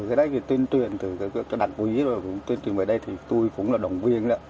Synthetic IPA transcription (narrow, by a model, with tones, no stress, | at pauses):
ɨ˨˩kaː˨˦jɗə˨˦jt̪i˨˩t̪wi˧nt͡ɕwi˨˩ənt̪ɨ˨˩ka˨˦kːka˧˦ɗa˨˩t̚ku˨˧˦i˨˦zkŋ͡mt̪wi˧nt͡ɕwi˨˩ə˨vəː˧˩ɗə˧jt̪ʰi˨˩t̪u˧jkʊ̰˧˥ŋ͡mlaː˨˩ɗə˨˩wŋ͡mvi˧ənɗaː˨˦